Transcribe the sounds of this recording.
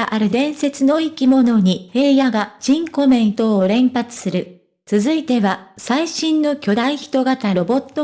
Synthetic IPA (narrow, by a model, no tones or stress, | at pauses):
ʔaɾɯ̟d̪ẽ̞ɰ̃se̞t͡sɨno̞ikʲimo̞no̞ɲ̟ihe̞ːjaɡaʑ̥ĩŋko̞mẽ̞nt̪oːɾẽ̞mpat͡sɨ̥sɨɾɯ̟ | t͡sɨzɨit̪e̞βasaiɕĩnːo̞kʲo̞d̪aiçi̥t̪o̞ɡat̪aɾo̞bo̞t̪ːo